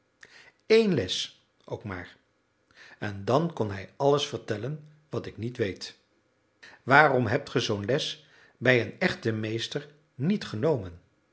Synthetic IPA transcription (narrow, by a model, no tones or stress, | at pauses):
ejnlɛs | ʔo̰wkma̰ːɹ | ɛndɑnkɔnɦɛjɑləsfəɹtɛlən | ʋɑtɪknitʋejt | ʋaːrɔmɦɛp̚tχəzownlɛs | bɛjənɛχtəmejstəɹ | nitχənowmən